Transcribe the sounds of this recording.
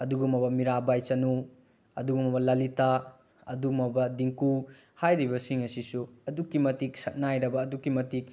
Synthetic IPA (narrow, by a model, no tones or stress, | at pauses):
ɐduɡumɐbɐmiɾabajt͡ʃɐnu | ɐ̰duɡumɐbɐlɐlita | ɐ̰dumɐbɐdiŋku | hajɾibɐsiŋɐsisuɐdukːimɐtik̚sɐk̚najɾɐbɐːdukːimɐtik̚